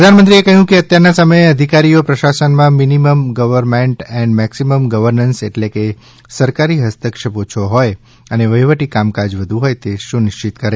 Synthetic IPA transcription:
ɾəd̪ʱanmənt̪ɾiekəɦjũkeət̪jaɾnasəməjeəd̪ʱikaɾijopɾəʃasənmãminiməmɡəʋəɾmeɳʈɛ̃ɳɖmɛksiməmɡəʋəɾnənseʈleke | səɾkaɾiɦəst̪əkʂəpot͡ʃʰoɦɔj | əneʋəjʋəʈikamkad͡ʒʋəd̪ʱũɦɔjt̪eʃũnɪʃt͡ʃɪt̪kəɾe

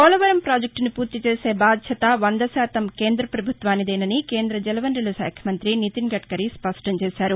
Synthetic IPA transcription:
kɔːlɐʋɐɾɐmpɾaːd͡ʒek̚ʈnipuːɾt̪it͡ʃeːse̞ːbaːd̪jɐt̪ɐʋɐnd̪ɐsɛːt̪ɐmke̞ːnd̪ɾɐpɾɐbʱut̪ʋaːnːid̪ɛːnɐnike̞ːnd̪ɾɐd͡ʒɛlɐʋɐnɖilɐʃa̰ːkʰjɐmɐnt̪ɾinit̪iŋɡɐʈkɐɾispɐʂʈɐmt͡ʃeːsaːɾu

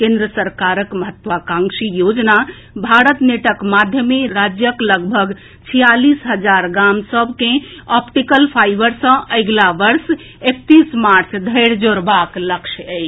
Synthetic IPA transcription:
kẽnd̪ɾəsəɾkaɾəkməɦət̪ːʋakãŋsijod͡ʒna | bʱaɾət̪neʈəkmad̪ʱjəmeɾad͡ʒjəkləɡbʱəɡ | t͡ʃʰijalisɦəd͡ʒaɾɡamsəbʱkẽɔpʈikəlpʰajbəɾsə̃ʔəjɡlaʋəɾs | ek̚t̪ismaɾt͡ʃʰd̪ʱəjɾd͡ʒoɾbakləkʃʰəjʰ

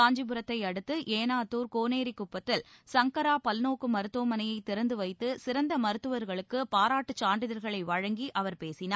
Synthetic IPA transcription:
aːɲd͡ʒibɯɾɐt̪ːɐɪɐɽɯt̪ːɯʔeːnaːt̪ːuːɾkoːneːɾikːʊpːɐt̪ːɪlsɐŋkɐɾaːpɐlnoːkːɯmɐɾɯt̪ːoːmɐnɐjɐɪt̪ːɪɾɐnd̪ɯʋɐɪt̪ːɯsɪɾɐnd̪ɐmɐɾɯt̪ːɯʋɐɾɣɐɭɯkːɯpaːɾaːʈːɯt͡ʃːaːɳɖɪðɐɾɣɐɭɐɪʋɐɻɐŋɡiʔɐʋɐɾpeːsɪnaː

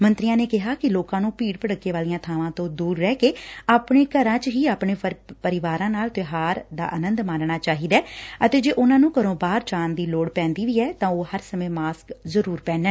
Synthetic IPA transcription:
mənt̪ɾɪjãːneːkɪɦaːkɪloːkãːnũːpiːɽpəɽəkːeːʋaːlijãːt̪ʰaːʋãːt̪õːd̪uːɾːɛːkeːaːpɳeːkəɾãːt͡ʃɦiːaːpɳeːpəɾɪʋaːɾãːnaːlt̪ɪɦaːɾd̪a̰ːʔənə̃nd̪mãːnɳaːt͡ʃaːɦiːd̪aːət̪eːd͡ʒeːʔʊnãːnũːkəɾõːbaːɾt͡ʃaːnd̪iːloːɽpɛ̃ːnd̪iːʋiːɛːt̪ãːoːhəɾsəmẽːmaːskzəɾuːɾpɛ̃ːnɛː

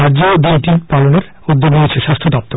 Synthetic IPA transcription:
ad͡ʑod̪iʈipaloneɾ | ud̪ːoɡniet͡ɕʰeʃast̪ʰod̪ɔp̚t̪o

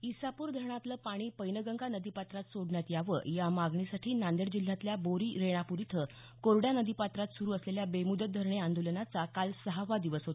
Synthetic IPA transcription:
isapuːɾd̪ʱəɾɳ̃at̪ləpaɽ̃iːpəjnəɡəŋɡanəd̪ipat̪ɾat̪soɽɳjat̪jaʋə̰jamaɡɳisaʈʰiːnand̪eɽd͡ʑil̤ːjat̪ljaboɾiːɾeɽ̃apuɾit̪ʰə | koɾɽjanəd̪ipat̪ɾat̪suɾuːəsleljabemud̪ət̪̚d̪ʱəɾɳeand̪olənat͡sakalsəɦaʋad̪iʋəsɦot̪

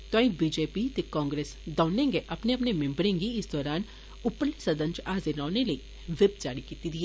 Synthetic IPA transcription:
t̪ãːĩbiːd͡ʒeːpit̪ikɔ̃ːŋɡɾeːsd̪ɐʊnẽːŋɡeʔɐpneɐpnemẽmbɾẽːŋɡiɪsd̪ɔːɾaːn | ʊpəɾlisɐd̪ə̃nt͡ʃaːzenaːnelɐi | ʋɪbd͡ʒaːɽikit̪id̪ie

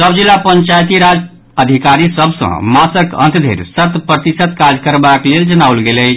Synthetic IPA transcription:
səbd͡ʒilːapəɲt͡ʃajt̪iɾad͡ʒ | əd̪ʱikaɾisəbʱsə̰̃masəkə̰̃nt̪d̪ʱḛɾsət̪pɾət̪isət̪kad͡ʒʱkəɾbakleld͡ʒənawlɡelə

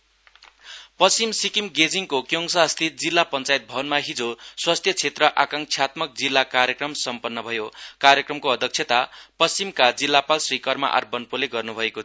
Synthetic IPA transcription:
pʌst͡simsikimɡed͡ziŋkokjoŋsast̪ʰit̪̚d͡zilːapʌnt͡sait̪̚bʱʌnmaɦid͡zoswast̪ʰjʌt͡sʰet̪rʌʔakaŋk̚t͡sʰjat̪mʌk̚d͡zilːakaɾjʌkrʌmsʌmpʌnːʌbʱʌjokarjʌkrʌmkoʌd̪ʱʌk̚t͡sʰjet̪apʌsimkad͡zilːapalsrikʌrma̰ʔa̰rbʌnpoleɡʌrnubʱʌeko

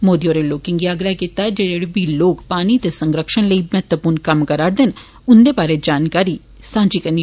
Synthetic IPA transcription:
moːd̪ioːɾeloːkɪ̃ŋɡiaːɡɾakiːt̪ad͡ʒed͡ʒeɽebiloːkpaːñiːt̪eːsəŋɡɾəkʃənləiːmɛːt̪wəpuːɾnkəmkəɾaːɾd̪ɪn | ʊnd̪eːbaːɾed͡ʒaːnkaːɾiː | sãːd͡ʒiːkəni

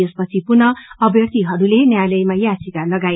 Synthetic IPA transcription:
espʌt͡sʰipurnʌʌbjʌrt̪iɦʌɾulenjajlʌjmajasikalʌɡaj

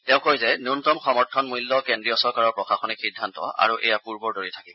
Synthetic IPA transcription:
tɛʊ̃kojzɛnuntɔmxɔmɔɹtʰɔnmujlːɔkendɹijɔsɔɹkaɹɔɹpɹɔxaxɔnixidʱːantɔ̰a̰ɹuʔɛ̰japuɹbɔɹdoɹitʰakim

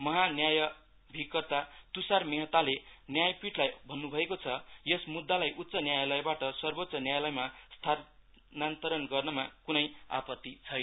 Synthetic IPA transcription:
mʌɦanjajʌ | bʱikːʌrt̪at̪usarmeɦʌt̪alenjajpiʈlajbʱʌnːubʱʌekot͡sʰʌjʌsmud̪ːalajʔut̪ːsʌnjajʌlʌjbaʈʌsʌrbot̪sʌnjajlʌjmast̪ʰa | nant̪ʌɾʌnɡʌrnʌmakunʌja̰pʌt̪ːit͡sʰʌjnʌ

